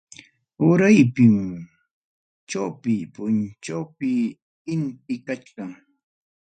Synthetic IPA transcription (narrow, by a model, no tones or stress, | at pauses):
ʊɾajpɪm | t͡ʃawpɪpʊnt͡ʃawpɪ | ɪnt̪̚ɪkat͡ʃkaŋ